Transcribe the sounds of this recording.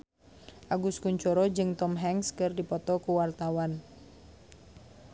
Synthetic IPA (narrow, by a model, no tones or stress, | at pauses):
ʔaɡuskuɲt͡ʃɔɾɔd͡ʒɨŋt̪ɔmɦɛŋskɨrdipɔt̪ɔkuwart̪awan